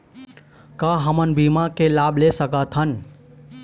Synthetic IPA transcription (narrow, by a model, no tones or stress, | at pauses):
kəɦəmənbimakelabʱlesəkət̪ʰɦən